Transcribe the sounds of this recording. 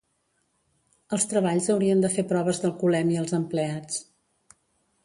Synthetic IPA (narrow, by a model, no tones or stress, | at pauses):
əlˠst̪ɾəβ̞aʎzəwɾiənd̪əfepɾɔβ̞əzðəlˠkulɛmiəlˠzəmpleat͡s